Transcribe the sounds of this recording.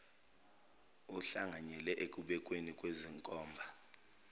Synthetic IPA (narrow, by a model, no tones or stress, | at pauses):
uɬaŋaɲɛlɛʔek̬ʼuɓɛkʼwenikʼweziŋkʼɔːmbʱa